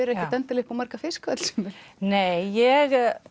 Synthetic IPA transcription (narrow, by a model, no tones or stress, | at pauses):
ɛɾɛhcɪt̪ɛnt̪ɪɾlɪhpawmaɾkafɪskat̪l̥sʏ̥mɪ̥neːjjɛɣ